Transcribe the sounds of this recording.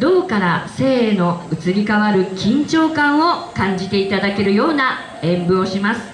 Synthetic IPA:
d̪̥o̞ːkaɾase̞ːno̞ɯ̟t͡sɨɾʲikaβaɾɯ̟kʲĩɲt͡ɕo̞ːkãɰ̃o̞kãɲ̟d͡ʑit̪e̞it̪ad̪ake̞ɾɯ̟jo̞ːna | ẽ̞mbɯ̟o̞ɕimasɨ̥

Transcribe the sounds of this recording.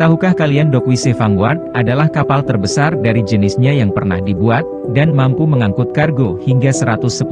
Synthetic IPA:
t̪aɦukahkaliandokuisefanward̪̚ʔadalahkapalt̪ərbəsardaɾid͡ʒənɪsɲajaŋpərna̰hdibuat̪̚ | danmampuməŋaŋkʊt̪̚karɡohiŋɡasəɾat̪ʊsːəpu

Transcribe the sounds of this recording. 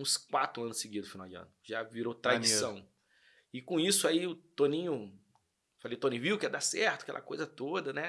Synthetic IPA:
ũskwat̪ɾʊɐ̃nʊseɡid̪ʊfinawd͡ʒɪɐ̰̃nʊʒaviɾowt̪ɾad͡ʒisɐ̃w̃ | ɪkõisʊaiʊt̪õnĩɲʊ | falejʊt̪õnĩviwkɛd̪asɛɾt̪ʊɐkɛlʔɐ̰kojzɐt̪od̪ɐnɛ

